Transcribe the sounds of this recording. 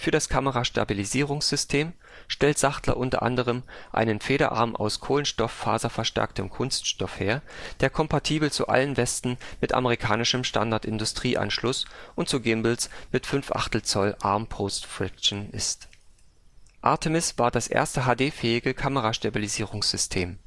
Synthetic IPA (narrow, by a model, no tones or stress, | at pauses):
fyːɐɾaskʰaməʁaʃta̰biliziːʁ̞ʊŋsz̥ʏstʰeːm | ʃtɛltz̥aχtlɐ̰ʔʊntɐ̰ʔandəʁ̞əmʔa̰ɪnənfeːɾɐ̰ʔa̰ɐmʔa̰ʊskʰoːlənʃtɔfa̰ːzɐfɛɐʃtɛ̰ɐk̚tʰəmkʰʊnstʃtɔfheːɐd̥eːɐkʰɔmpatʰiːbl̩t͡sṵʔa̰lənvɛstn̩mɪtʔa̰məʁ̞ikʰaːnɪʃəmʃta̰ndaɐtɪndʊstʁ̥iːʔa̰nʃlʊsʔʊnt̚t͡suɡɪmbl̩smɪtfʏnfʔa̰χtl̩t͡sɔlʔaɐmpʰostfʁɪk̚t͡ʃn̩ʔɪ̰st | ʔa̰ɐtʰəmɪsv̥aːɐdasʔḛːɐstəɦaːdeːfɛːɪɡəkʰaməʁaʃtabiliziːʁʊŋsz̥ʏstʰeːm